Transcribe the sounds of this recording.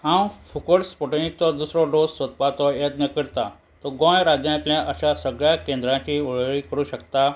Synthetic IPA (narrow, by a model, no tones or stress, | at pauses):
ãw̃fukəɽspoʈenik̚t͡sɔd̪usɾɔɖossət̪̚pat͡sɔjet̪nəkəɾt̪a | t̪ɔɡɔ̃jɾad͡ʑjãt̪ljãʔəɕasəɡɭjakẽnd̪ɾãt͡ɕiːoɭɭiːkəɾuːɕəkt̪a